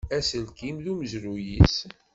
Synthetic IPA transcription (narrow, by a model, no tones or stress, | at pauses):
æsəlkimðuməzɾujis